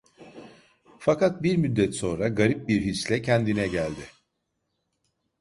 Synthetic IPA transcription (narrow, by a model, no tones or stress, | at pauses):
fakat̪̚biɾmyd̪ːɛt̪so̞nɾaɡaɾip̚biɾɦislʲɛcʰɛnd̪inɛɟælʲd̪ɪ